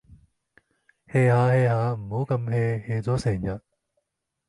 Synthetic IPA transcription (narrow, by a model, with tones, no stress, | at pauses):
heː˧haː˨˧heː˧haː˨˧m̩˨˩ho˨˥wkɐ˧mheː˧heː˧t͡sɔː˨˥sɛː˨˩ŋjɐ˨˩t̚